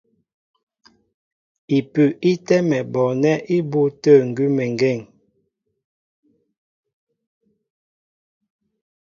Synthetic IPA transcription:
i˨pʉ˨ʔi˦tɛ˦mɛ˨bɔ˨nɛ˦ʔi˦bo˦tə˦˨ŋ̩˨ɡʉ˦mɛ˨ŋ˨ɡɛ˦˨ŋ

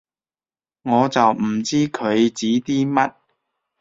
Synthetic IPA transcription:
ŋɔː˨˧t͡sɐ˨wm̩˨˩t͡siː˥kʰɵ˨˧ɥt͡siː˨˥t̪iː˥mɐ˥t̚

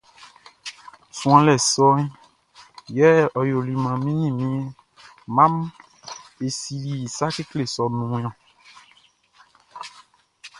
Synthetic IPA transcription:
sũ˨ã˨lɛ˨sɔ˦ɲ˦ | jɛ˦ɔ˨jo˨li˨mã˨mĩ˦ɲĩ˦˨mĩ˦e˦ | mã˦m | e˨si˨li˨sa˦ke˦kle˦˨sɔ˨nũ˨˦jɔ̃˨

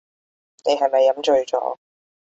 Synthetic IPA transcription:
ne˨˧jɦɐ˨jmɐ˨jːɐ˨˥mt͡ʃɵ˧ɥt͡sɔ̰ː˨˥

